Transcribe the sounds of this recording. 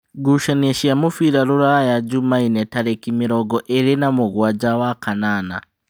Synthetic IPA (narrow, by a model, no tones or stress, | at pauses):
ɡuʃaneʃiamufiɾaɾuɾajaɟumainetaɾekimiɾoɡoʔeɾinamuɡwad͡ʒawakanana̰